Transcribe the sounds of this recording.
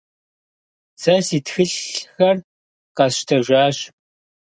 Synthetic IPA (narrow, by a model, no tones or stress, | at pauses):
sɐsiːtxɨɬxɐr | qɑsʃtʰɐʒʷaːɕ